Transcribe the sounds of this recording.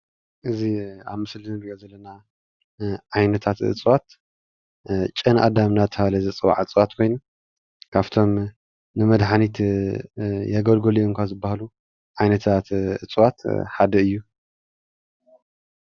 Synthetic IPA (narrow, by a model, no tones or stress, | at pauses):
ʔɨzia̰βmɨslɨnbiozɐlːɐna | ʕajnɐt̪ʰat̪ɨ̰t͡sʼɨwat̪ | t͡ʃʼɨnʔa̰d̪amnat̪ʰɐβalɐzɐt͡sʼɨwa̰ʕɨt͡sʼwat̪kʰo̞jnu | kʰaβt̪ʰo̞m | nɨmɐd̪ħanit̪ | jɛɡɐlɡolioŋkʷʰazɨbːahalu | ʕajnɐt̪ʰat̪ɨ̰t͡sʼwat̪ħad̪ɐɨjːu